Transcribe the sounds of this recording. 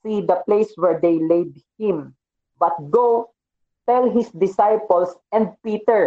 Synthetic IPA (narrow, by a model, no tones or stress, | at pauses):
sid̪ɐplejswɛɹd̪ejled̪̚hɪ̃m | bɐt̪̚ɡo | t̪ɛlɦɪsd̪ɪsajpɔlsɛ̃nd̪̚piːt̪ɛɹ